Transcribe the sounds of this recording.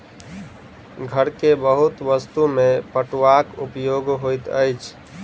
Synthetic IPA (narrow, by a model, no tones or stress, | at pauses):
ɡʱəɾkebəɦut̪ʋəst̪umepəʈʋakupjoɡɦojt̪ə̰jt͡ʃʰ